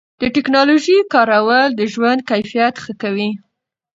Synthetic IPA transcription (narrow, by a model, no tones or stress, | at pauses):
d̪̥əʈɪknɑloʒikɑɾawəld̪əʒwand̪̚kajfijat̪xəkawi